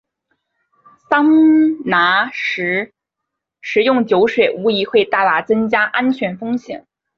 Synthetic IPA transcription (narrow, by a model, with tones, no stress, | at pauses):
sɑ˥ŋna˧˥ʂɻ̩˧˥ | ʂɻ̩˧˥jʊ˥˩ŋt͡ɕjo˧˥ʊʂwe˨˩ɪu˧˥i˧˥xwe˥˧ɪt̪a˥˩la˧˥t͡sɤ˥ŋt͡ɕja˥ʔa˥nt͡ɕʰɥɛ˧˥nfɤ˥ŋɕjɛ̰˨˩˦n